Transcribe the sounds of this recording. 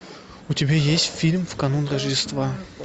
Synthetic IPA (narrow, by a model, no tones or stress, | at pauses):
utʲɪbʲajesʲtʲfʲilʲmvkɐnunrəʐdʲɪst̪va